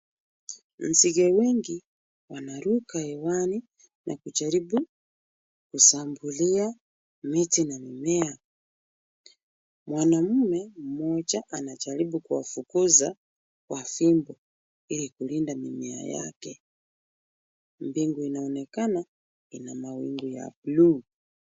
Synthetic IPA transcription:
n̩ziɡɛwɛŋɡi | wanaɾukaɛwani | nʔa̰kud͡ʒaɾibu | kusambulia | mitinamimɛa | mwanamumɛm̩mɔt͡ʃaʔanat͡ʃaɾiɓukuwa̰fukuza | kwafimbɔ | ilikulindamimɛa̰ja̰kɛ | mbiŋɡuinaɔnɛkana | inamawiŋɡuja̰pluː

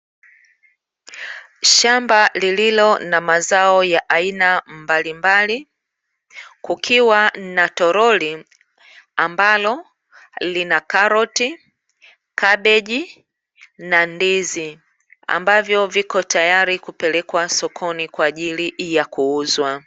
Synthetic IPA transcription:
ʃambalililɔnamazaɔjaʔainambalimbali | kukʰiwanatɔɾɔli | ambalɔ | linakaɾɔti | kaɓɛʄi | nandizi | a̰mbavjɔvikɔtajaɾikupɛlɛkwasɔkʰɔnikwaːʄilijakuuzwa

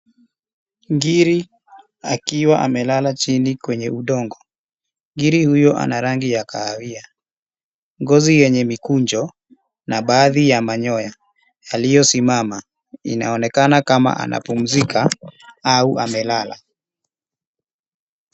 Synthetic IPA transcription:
ŋɡiɾi | akiwaʔamɛlalat͡ʃinikwɛɲɛuɗɔŋɡɔ | ŋɡiɾihujɔʔa̰naɾaŋɡijakaːvia | ŋɡɔzijɛɲɛmikuɲd͡ʒɔ | naɓaːðijamaɲɔja | jalijɔsimama | ḭna̰ɔnɛkanakama̰ʔa̰na̰pum̩zikaauʔa̰mɛlala̰

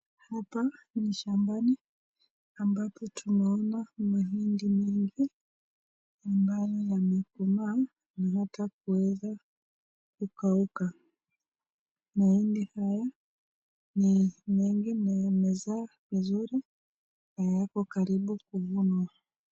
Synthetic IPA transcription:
hapaniʃambani | ambapɔtʰunaɔnamaɦindimɛŋɡi | ambajɔjamɛkuma | naɦatak̚uwɛza | kukauka | mahindihaja | nimɛŋɡinajamɛzaːvizuɾi | hajjakɔkaɾiɓukuvunwa

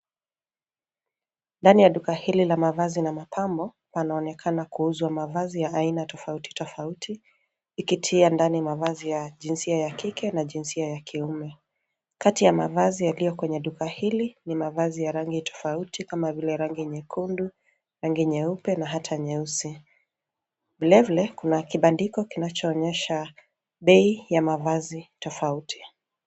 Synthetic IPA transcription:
ndanijaɗukahililamavazinamapʰambɔ | panaɔnɛkʰanakuuzwamavazijaːinatɔfauti̥tɔfautʰiː | kitʰiandanijamavazijaʄinsiajakikɛnaʄinsiajakʰiumɛ | katijamavazijalijɔkwɛɲɛɗukahilinimavazijaɾaŋɡitɔ̥fautikamavilɛɾaŋɡiɲɛkʰundu | ɾaŋɡiɲɛupɛnaɦatʰaɲɛusi | vilavilɛkunakiɓandikɔkinat͡ʃɔːɲɛʃa | ɓɛijamavazitɔfautʰi̥

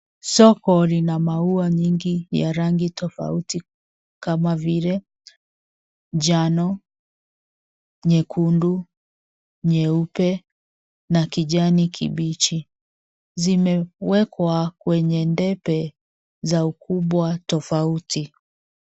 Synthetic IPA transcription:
sɔkɔlinamauaɲiŋɡija̰ɾaŋɡitɔfa̰uti | kamavilɛ | d͡ʒanɔ | ɲɛkʰundu | ɲɛupɛ | nakiʄanikʰḭɓit͡ʃi | zimɛwɛkwakwɛɲɛndɛpɛ | zaukuɓwatɔfauti

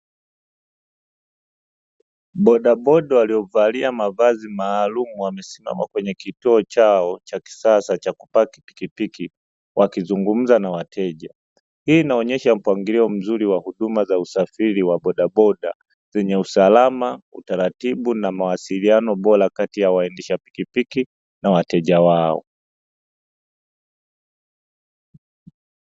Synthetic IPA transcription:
ɓɔɗaɓɔɗawaliɔvaliamavazimaːlumuwamɛsima̰makwɛɲɛkituɔt͡ʃaɔt͡ʃaki̥sasat͡ʃakupaki̥pi̥kipiki | wʔakizuŋɡum̩zanawatʰɛʄa | hiːnaɔɲɛʃam̩pwaŋɡiliɔm̩zuɾiwahuɗumazausafiɾiwaɓɔɗaɓɔɗa̰ | zɛɲɛusalamaṵtaɾatiɓunamawasilianɔɓɔɾakatijawaɛndiʃapi̥kipiki | nawatɛʄawaɔ̰

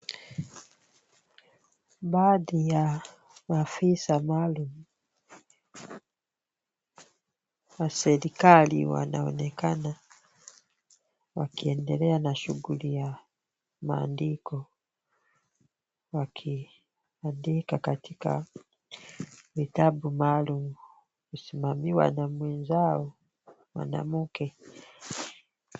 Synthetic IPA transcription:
badija | mafisamalumu | wasɛɾikalḭwa̰na̰ɔ̰nɛkana | wa̰kiɛndɛlɛanaʃuɡulija | maːndikɔ | wakʰi | andikakatika̰ | vitabumalumu | kusimamiwa̰namwɛnzaɔ | mwa̰na̰mukɛ

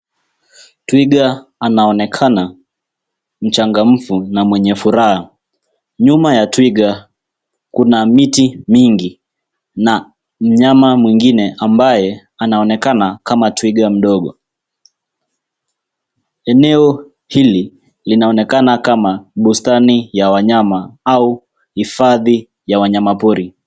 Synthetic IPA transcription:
twiɠaːnaɔnɛkʰana | m̩t͡ʃaŋɡam̩funamwɛɲɛfuɾaha | ɲumajatwiɠa | kunamitimiŋɡi | na | m̩ɲamamwiŋɡinɛʔambajɛ | anaɔnɛkanakamatwiɠam̩ɗɔɠɔ | ɛnɛɔ | hili | linaɔnɛkanakamaɓustanijawaɲamaau | hifaði | jawaɲamapuɾi

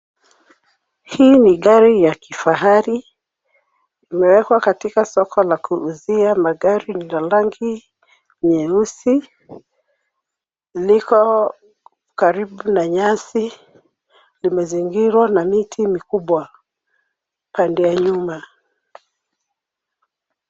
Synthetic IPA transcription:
hiːniɠaɾijakifaɦaɾi | imɛwɛkwakatikasɔkʰɔlakuʔːziamaɠaɾinalaŋɡi | ɲɛusi | likɔ | kaɾiɓunaɲasi | limɛziŋɡiɾwanamitʰimikuɓwa | pandɛjaɲuma

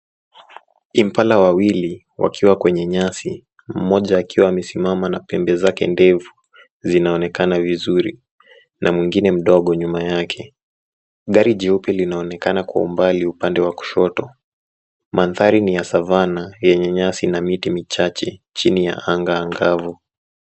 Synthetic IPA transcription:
im̩palawawili | wa̰kʰiwakwɛɲɛɲasi | m̩mɔʄaːkiwaːmɛsimamanapɛmbɛzakɛ̰ndɛvu | zinaɔnɛkanavizuɾi | nʔamwiŋɡinɛm̩ɗɔɠɔɲumajakʰɛ | ɠaɾiʄɛupɛlinaɔnɛkanakwa̰ṵmbaliupandɛwaku̥ʃɔtɔ | manθaɾinijasavanajɛɲɛɲasinamitimit͡ʃat͡ʃɛt͡ʃinija̰ʔaŋɡaːŋɡavu

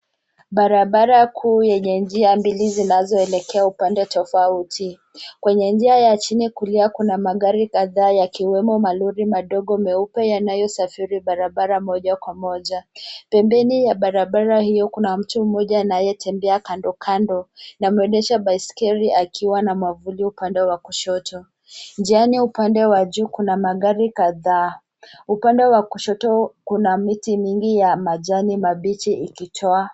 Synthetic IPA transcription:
ɓaɾaɓaɾakʰuːjɛɲɛnd͡ʒiambilizinazɔɛlɛkɛaupandɛtɔfautʰi | kwɛɲɛnd͡ʒiajat͡ʃinikuliakunamaɠaɾikaðaːjakiwɛmɔmaluɾimaɗɔɠɔmɛupɛjanajɔsafiɾiɓaɾaɓaɾamɔʄakwamɔʄapɛmbɛnijaɓaɾaɓaɾahijɔkunam̩tum̩mɔʄaːnajɛtʰɛmbɛakandɔkʰandɔnamuwɛɗɛʃaɓaiskɛɾiʔakʰiwanamwavuliupandɛwakuʃɔtʰɔ | nd͡ʒianiupandɛwaʄukunamaɠaɾikaðaː | upandɛwakuʃɔtɔkunamitimiŋɡijamaʄanimaɓit͡ʃiikitʰɔa

